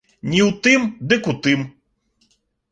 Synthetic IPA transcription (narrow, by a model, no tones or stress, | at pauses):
nʲiwt̪ɪmd̪ɪkʊt̪ɪm